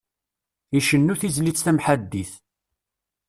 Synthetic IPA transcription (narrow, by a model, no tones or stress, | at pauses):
iʃənːuθizlit͡sːθæmħad̪ːiθ